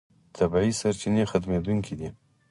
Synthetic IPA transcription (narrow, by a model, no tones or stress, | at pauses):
t̪ʰabiisaɾt͡ʃinexat̪med̪uŋkʰid̪i